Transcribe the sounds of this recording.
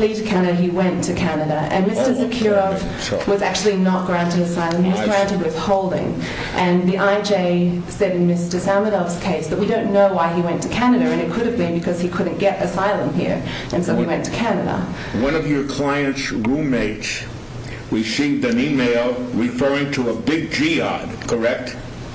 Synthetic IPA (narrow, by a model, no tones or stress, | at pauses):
litɨ̥kʰæɾɨɾɨiwɛ̃ntʰɨkʰænɨɾɨʔɨ̰̃nmɪstə˞sɨkʰjʊɹəvv | wʌzæk̚t͡ʃʉl̩ˠinət̚ɡ̥ɹæ̃ntɨɾɨsaɪlˠə̃miwʌzɡɹæ̃ntɨd̚wɨð̥hoʊlˠdɪ̰̃ŋ | ʔɨ̃nðiʔaɪd͡ʒeɪ | sɛɾɨ̃n̩mɪstə˞sæməɾɑvz̥kʰeɪsðət̚wiɾõʊ̃nːoʊwaɪiwɛ̃ntʰɨ̥kʰænɨɾɨɨ̃nɨt̚kʰʊɾɨvbɨ̃nbɨkʰʌz̥ikʰʊdⁿn̩ɡ̥ɛɾɨsaɪlˠə̃mɦḭɹ | ʔɨ̃nsoʊiwɛ̃ntʰə̥kʰænɨɾə̰ | wʌ̃nʌvjə˞kʰl̥aɪɨ̃ntsɹũmeɪts | wisiðɨ̃nimeɪlˠɹɨfɜ˞ɪ̃ŋtʰəəbɪɡ̚d͡ʒiɑ̰d̥kʰə˞ɛk̚t